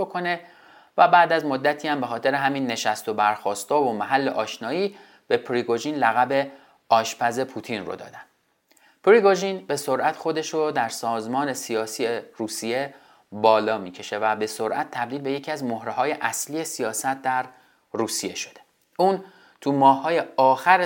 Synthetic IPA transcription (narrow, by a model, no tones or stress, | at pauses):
okʰo̞ne̞ | væbæːd̪æzmo̞d̪ːæt̪ʰiːæmbe̞xɒːt̪ʰe̞ɾeɦæmiːnːe̞ʃæst̪o̞bæɾxɒːst̪ɒːvomæɦælːeʔɒːʃnɒːiː | b̥e̞pʰɾiɡoʒiːnlæɣæbe̞ | ɒːʃpʰæze̞pʰut̪ʰinro̰d̪ɒ̰ːd̪ænd̪ | pɾiɡoʒinbe̞so̞ɾʔæt̪xo̞d̪e̞ʃod̪æɾsɒːzmɒːne̞sijɒːsijeruːsije̞ | bɒːlɒːmiːcʰe̞ʃe̞væbe̞so̞ɾʔæt̪ʰt̪ʰːæb̚d̪iːlbe̞je̞cʰiæzmohɾeɦɒːje̞ʔæsliːje̞sijɒːsæt̪̚ʰd̪æɾ | ruːsije̞ʃo̞̥d̪̥e̞ | ʔuːn | t̪ʰumɒːhːɒːje̞ɒːxæɾ